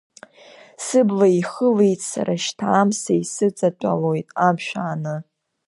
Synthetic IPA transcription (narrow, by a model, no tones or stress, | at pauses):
sɨblaiχəle̞jtʼsa̰ɾaʃtʰaːmsaisɨt͡sʼat͡pʷʼa̰lojtʼamʃᶣaːnɨ